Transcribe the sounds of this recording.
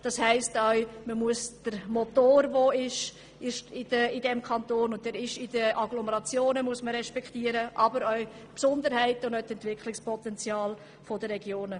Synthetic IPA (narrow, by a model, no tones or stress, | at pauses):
d̥ɑshɛɪstœɥməmuəsd̥əɾmotoːɾvoɪʃ | ɪʃɪdəɪdɛmkʰɑntoːnʊntɛːɾɪʃɪd̥əʔɑɡlɔməɾɑt͡sjoːnəmuəsməɾɛʃpɛktiəɾəʔɑbəɾœɥ | psʊndəɾhɛɪtʊndœtɛntvɪkχlɪkspɔtɛnt͡sjɑːl | fodəɾɛɡjoːnə